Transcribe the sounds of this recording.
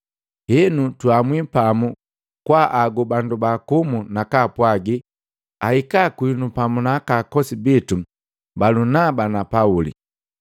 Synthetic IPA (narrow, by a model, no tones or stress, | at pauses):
hɛnutwamwipamu | kwaʔaɡubandubakumunakapwaɡi | ahikakwinupamunakakɔsibitu | balunabanapaulḭ